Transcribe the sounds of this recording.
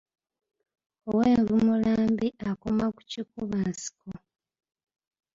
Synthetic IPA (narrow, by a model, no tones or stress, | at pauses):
oweːɱvimulaːmbiʔakomaku̥cikuβaːnsi̥ko